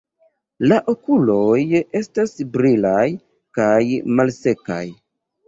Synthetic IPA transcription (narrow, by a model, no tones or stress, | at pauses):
laʔo̞kulo̞je̞stasbɾilaj | kajmalse̞ka̰j